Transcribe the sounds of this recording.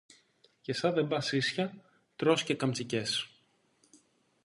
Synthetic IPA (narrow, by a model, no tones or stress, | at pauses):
ce̞sɐðebɐsisçɐ | t̪ɾo̞sce̞kɐmt͡sice̞s